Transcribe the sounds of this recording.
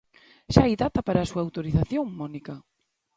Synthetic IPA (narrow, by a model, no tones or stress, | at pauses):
ʃaajðat̪ɐpaɾaːsuaːwt̪oɾiθaθjoŋmɔnikɐ